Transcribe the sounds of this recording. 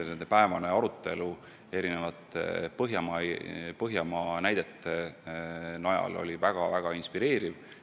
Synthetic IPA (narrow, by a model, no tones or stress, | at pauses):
ne̞nd̪epæevɑne̞ɑɾut̪ːˑe̞lu | e̞ɾine̞vɑt̪ːḛpɤɦjɑmɑpɤɦjɑmɑnæjd̪̥e̞t̪ːˑe̞ | nɑjɑ̰lo̞̰lʲivæɡ̥ɑvæɡ̥ɑinspiɾe̞ːɾiv